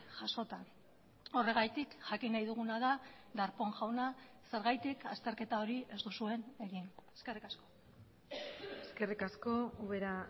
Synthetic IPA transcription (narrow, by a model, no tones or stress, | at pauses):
ʝaso̞t̪a | o̞re̞ɣ̞ajt̪ikʝakinajðuɣ̞unaða | d̪aɾpo̞ŋʝawna | se̞ɾɣajt̪ika̰st̪e̞ɾke̞t̪ao̞ɾiʔe̞zt̪usue̞ne̞ɣineske̞rikasko̞ | eske̞rikasko̞uβe̞ɾa